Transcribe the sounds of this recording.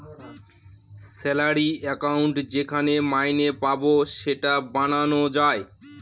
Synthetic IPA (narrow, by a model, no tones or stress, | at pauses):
sɛlaɾiɛkauɳʈd͡ʑekʰanemajnepaboʃeʈabananod͡ʑae